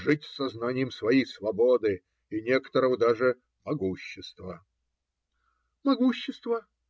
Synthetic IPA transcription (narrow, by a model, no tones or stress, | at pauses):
ʐɨtʲsːɐznanʲɪjəmsvɐjejsvɐbod̪ɨ | inʲekə̥t̪əɾəvəd̪aʐɨ | mɐɡuɕːɪst̪və | mɐɡuɕːɪst̪və